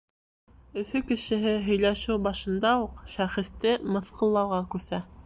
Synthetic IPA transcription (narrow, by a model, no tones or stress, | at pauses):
ɵ̆θɵkɘ̆ʃɘ̆ɦɘɦɵ̆jlæʃɘwbɑʃɤ̆nd̪ɑuqʃæχɘ̆st̪ɘmɤ̆θqɤ̆lˠːɑwʁɑkʉsæ